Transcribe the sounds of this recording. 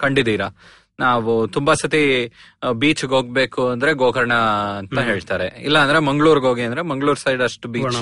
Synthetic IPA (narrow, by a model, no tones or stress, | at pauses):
kɐɳɖid̪iːɾɐ | naːʋut̪umbɐsɐt̪i | biːt͡ʃɡoːɡ̚be̞ːkuɐnd̪ɐɾe̞ɡoːkɐɾɐɳɐːnt̪ɐɦe̞ːɭt̪aːɾe̞ḭlːɐːnd̪ɐɾe̞mɐŋɡɭuːɾɡɦoːɡiɐnd̪ɾe̞mɐŋɡɭuːɾsɐjɖɐʂʈubiːt͡ʃ